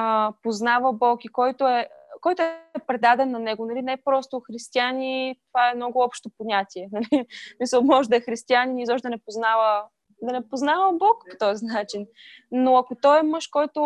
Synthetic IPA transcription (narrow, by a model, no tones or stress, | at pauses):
əpoznavəbɔkikɔjt̪oɛkɔjt̪ʊɛpɾɛd̪ad̪ɛnːɐnɛɡonɐlinɛpɾɔst̪oxɾist̪ianʲit̪ovaɛmnɔɡʊɔpʃt̪opoɲʲat̪ʲiɛnɐlismisəlˠmɔʒɛd̪ɐɛxɾist̪ianinizɔʃt̪ɛd̪nɛpoznavə | d̪ɐnɛpoznavəbɔkpo̥t̪ɔzinat͡ʃinː | oɐkot̪ɔɛmɤʃkɔjt̪o